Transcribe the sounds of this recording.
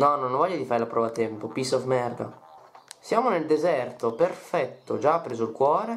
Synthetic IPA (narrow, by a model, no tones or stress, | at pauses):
nɔnõnvɔʎːad̪ifaːɾelapɾɔːvat̪ɛmpopisɔfmɛrd̪a̰ | sjaːmoneld̪ezɛrt̪operfɛt̪ːod͡ʒapːɾeːzoilkwɔːɾe